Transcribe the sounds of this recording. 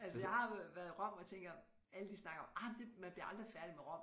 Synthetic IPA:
ælsəjɑ̈ɪhɑ̈ʋæɐðˠiʁɶm̰ɒjt͡sʰeŋ̰ɡ̥ɒm | æləd̥isnɑ̈ɡ̥ɐɒ̽mɑd̥e̝mænb̥liɐɑ̈ld̥ʁifæɐd̥imeʁɶm̰

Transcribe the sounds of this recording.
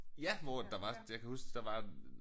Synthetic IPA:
jæmɔːd̥ɑ̈ʋɑ̈jäɪkʰæhusd̥ɑ̈ʋɑ̈

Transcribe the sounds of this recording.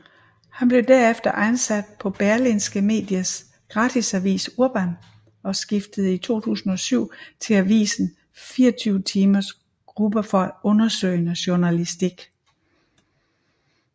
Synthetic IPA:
hænb̥le̝ʊd̥æɐ̰efd̥ɐʔænsæd̥̚pʰɒ̽b̥æɐlinsɡ̥əme̝̰ːd̥jɐs | ɡ̥ʁɑ̈ːd̥ʰisæʋḭːsuɐb̥æn | ɒ̽sɡ̥ifd̥əð̞̩ˠit͡sʰo̝̰ːt͡sʰṵːsn̩ɒ̽syʊ̰t͡sʰe̝læʋḭːsn̩ | fiːɐt͡sʰyːʊət͡sʰiːmɐs | ɡ̥ʁub̥əfɒ̽æɔ̽nɐsø̰ɪnəɕo̝nælisd̥iɡ̥

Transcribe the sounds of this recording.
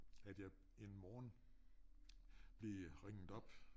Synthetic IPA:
æd̥jɑ̈ɪ | e̝nmɒːn | b̥liʁeŋ̰ð̩ˠɒ̽b̥

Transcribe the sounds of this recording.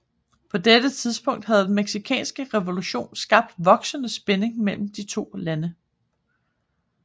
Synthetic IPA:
pʰɒ̽d̥ed̥ət͡sʰiðˠsb̥ɔ̽ŋ̰d̥hæð̞ˠd̥enmeɡ̥sikʰɛ̰ːnsɡ̥əʁɛʋo̝luɕo̝̰ːnsɡ̥ɑ̈b̥̚d̥ʋɒ̽ɡ̥sənəsb̥ene̝ŋmel̰m̩d̥it͡sʰo̝̰ːlænə

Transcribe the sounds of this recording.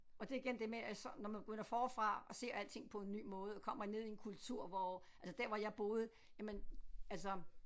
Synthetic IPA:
ɒ̽d̥e̝iɡ̥end̥e̝meæsɒnɒmænbe̥ɡ̥øn̰ɐfɒːfʁɑ̈ɒse̝̰ɐ̰æl̰t͡sʰe̝ŋ̰pʰɒ̽e̝nːy̰ːmɔ̽ːð̞̩ˠɒkʰɒ̽m̰ɐine̝ð̰ˠienkʰult͡sʰuɐ̰ʋɒ | æls̬əd̥æɐ̰ʋɑ̈jɑ̈ɪb̥ɔ̽ːð̞̩ˠə | jæmenæls̬ɒ

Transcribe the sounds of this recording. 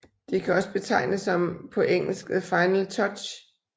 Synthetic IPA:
d̥ikʰæɒ̽səb̥e̝t͡sʰɑ̈ɪ̰nəsɒ̽mpʰɒ̽ʔeŋ̰l̩sɡ̥ð̩ˠfɑ̈ɪnlt͡sʰɒ̽d̥ɕ

